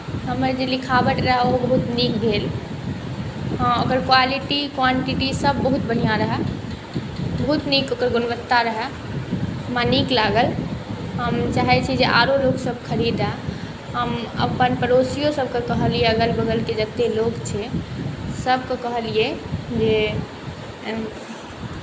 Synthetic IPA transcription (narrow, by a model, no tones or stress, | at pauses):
ɦəməɾd͡ʒelikʰabəʈɾəɦɛobəɦut̪nikd̪ʱel | ɦə̃okəɾkwaliʈikwaɳʈiʈisəbːəɦut̪̚bəɽ̤ijãɾəɦɛ | bəɦut̪nikokəɾɡunbət̪ːaɾəɦɛ | maniklaɡəlɦəmt͡ʃaɦɛt͡ʃʰɛd͡ʒeʔa̰ɾoloksəb̚kʰəɾid̪ɛ | ɦəmə̰pənpəɾosijosəb̚ʱkəkəɦəlieəɡəlbəɡəlked͡ʒət̪ːeloɡt͡ʃʰɛ | səb̚ʱkəkəɦəlied͡ʒe